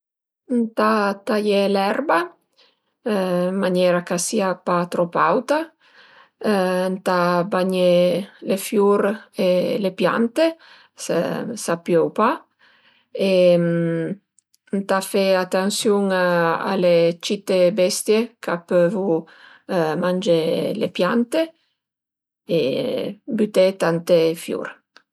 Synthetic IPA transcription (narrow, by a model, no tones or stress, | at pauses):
nt̪at̪ajelɛɾba | maɲɛɾakasiapat̪ɾɔpawt̪a | nt̪abaɲelefjuɾelepja̰nt̪e | sa̰sapjøwpa | e | nt̪afeat̪ansjuŋa̰let͡ʃit̪ebɛst̪jekapøvu | mãnd͡ʒelepjant̪e | e | byt̪et̪ant̪efjṵɾ